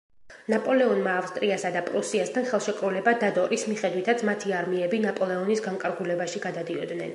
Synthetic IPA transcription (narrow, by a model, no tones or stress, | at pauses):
napʼɔlɛɔnmaːfst̪ʼɾiasad̪apʼɾusiast̪ʰanχɛlˠʃɛkʼɾulɛbad̪ad̪ɔɾismiχɛd̪wit̪ʰat̪sʰmat̪ʰiaɾmiɛbinapʼɔlɛɔnisɡaŋkʼaɾɡulɛbaʃiɡad̪ad̪iɔd̪nɛn